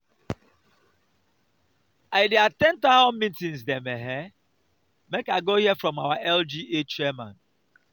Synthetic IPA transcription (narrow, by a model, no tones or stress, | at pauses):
aɪdeatɛ̃ntahɔ̃mmĩntĩnzdɛ̃mɛɦɛ | mekaɪɡohiɛfɹɔ̃mawaʔɛld͡ʒiet͡ʃɛmãn